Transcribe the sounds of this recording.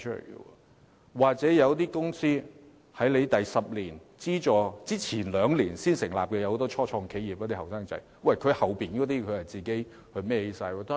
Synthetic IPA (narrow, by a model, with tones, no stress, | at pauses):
t͡ʃʰɵ˥lḛ˨˩jɡə̰˧wɔ̰ː˧ | waː˨˩k̚t͡sɛː˨˥jɐ˨˧wt̪iː˥kʊ˥ŋsiː˥ | hɐ˨˥jle˨˧jt̪ɐ˨jsɐ˨p̚liː˨˩n | t͡siː˥t͡ʃɔː˨t͡siː˥t͡sʰiː˨˩nlœː˨˧ŋliː˨˩nsiː˥nsɪ˨˩ŋlaː˨p̚kɛː˧jwho˨˧˥t̪ɔː˥t͡ʃʰɔː˥t͡ʃʰɔː˧ŋkʰe˨˥jiː˨p̚kɔː˨˧˥t̪iː˥hɐ˨wsaː˥ŋt͡sɐ̰˧˥j | wɐ˨jkʰɵ˨˧ɥhɐ˨˩wpiː˨˩nkɔː˨˥t̪iː˥kʰɵ˨˧ɥhɐ˨jt͡siː˨˩ke˨˥j | hɵ˧ɥmɛː˥he˨˥jsaː˧jwɔː˧˩t̪ɔ˥